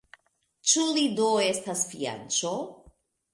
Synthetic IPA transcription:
t͡ʃulidoe̞stasfia̰nt͡ʃo

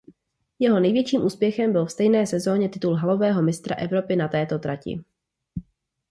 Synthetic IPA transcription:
jɛɦo̞nɛjvjɛt͡ʃiːmʔuːspjɛxɛmbɪlfst̪ɛjnɛːsɛzo̞ːɲɛt̪ɪt̪ulɦalo̞vɛːɦo̞mɪst̪ɾa̰ʔɛvɾo̞pɪnat̪ɛːt̪o̞t̪ɾacɪ̰

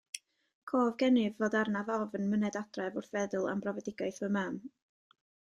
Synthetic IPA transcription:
kʰoːvɡɛnɨvːoːdarnaðɔvənmənɛdad̥rɛvʊrθvɛðʊlˠa̰mbrɔvɛdɪɡaɨθəmam

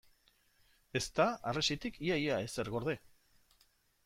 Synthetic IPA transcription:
e̞st̪aaresit̪ikʰiajaeseɾɣo̞ɾðe̞

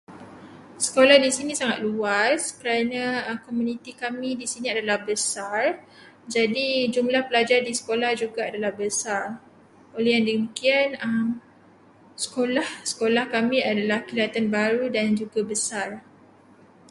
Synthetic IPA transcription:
sə̥kolahdisinĩsaŋat̪̚luaskəɾanãkomũnĩt̪ikamĩdisinĩadalahbəsar | d͡ʒadid͡ʒumlahpəlad͡ʒardisə̥kolahd͡ʒuɡaadalahbəsar | oleɦjaŋdəəmikianəm | sə̥kolahsə̥kolahkamĩadalahkiliat̪anbaɾudand͡ʒuɡabəsar

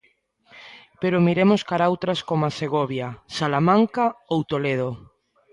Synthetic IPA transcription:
peɾomiɾemoskaɾawt̪ɾaskomaseɣoβjasalamãŋkaowt̪oleð̞o

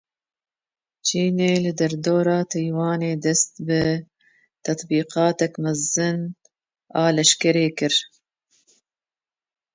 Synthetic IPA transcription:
t͡ʃʰiːneːlɨd̪ɛɾd̪oːɾɑːt̪ʰɛjwɑːneːd̪ɛst̪bɨ | t̪ʰɐt̪ˤbiːqɑːt̪ɛkmɛzɨn | ɑːlɛʃkɛɾeːkɨɾ

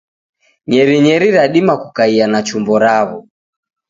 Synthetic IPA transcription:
ɲɛɾiɲɛɾiɾaɗimakukaianat͡ʃumbɔɾaβɔ

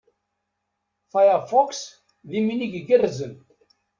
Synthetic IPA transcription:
fajəɾfɔks | ðiminiɡɡərːzən

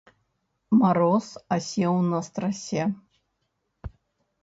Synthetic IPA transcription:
maɾɔsasʲɛwnɐst̪ɾɐsʲɛ

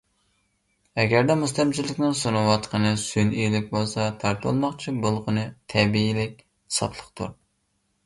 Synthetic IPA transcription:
ɛɡʲæɾd̪ɛmust̪ɛmt͡ʃʰilːɪkʲnɪŋsonuwɑt̪qʰənɨsynilɪk̚ʲbolˠsɑt̪ʰɑɾt̪ʰo̰lˠmɑqt͡ʃʰibolˠʁʊnɨt̪ʰɛbiilɪkʲ | ɨsɑ̰pʰlˠəqt̪ṵɾ

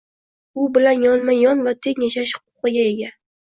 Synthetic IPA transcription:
ʊbɪlanjɒnmajɒnvat̪ʰe̞ŋʲjaʃaʃhʊ̥qʰʊ̥qɨɡʲae̞ɡʲa

